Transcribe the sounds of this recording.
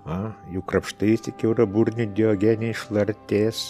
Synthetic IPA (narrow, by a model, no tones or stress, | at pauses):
ɐjɛʊkrɐpʃt̪ɐɪst̪ʲɪkʲɛʊɾɐburʲnʲɪd̪ʲɪoːɡʲæːnʲːɪʃlˠɐrʲt̪ʲeːs